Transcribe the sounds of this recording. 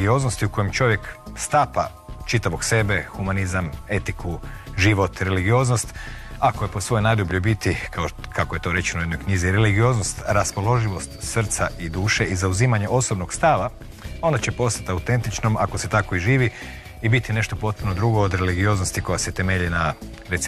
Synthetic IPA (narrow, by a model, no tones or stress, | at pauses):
ɡio̞znost̪iuko̞jemt͡ʃo̞ʋje̞kst̪apa | t͡ʃit̪aʋo̞ɡse̞be̞xumanizame̞t̪ikuʒiʋo̞t̪ɾe̞liɡio̞znost̪akoje̞po̞sʋo̞jnad̪ubʎubit̪ikʰaokakoje̞t̪o̞ɾe̞t͡ʃenojed̪nojkɲiziɾeliɡio̞znost̪ɾaspo̞lo̞ʒiʋo̞st̪sr̩t̪saʔid̪uːʃe̞ʔizauziːmaɲe̞ʔo̞so̞bnoɡst̪aʋa | o̞nat͡ɕe̞po̞st̪at̪aut̪e̞nt̪it͡ʃno̞mako̞se̞t̪ako̞iʒiːʋi | ibit̪ine̞ʃt̪o̞po̞t̪̚punod̪ɾuɡoːd̪ɾe̞liɡio̞znost̪iko̞jaset̪e̞meʎina | ɾet̪s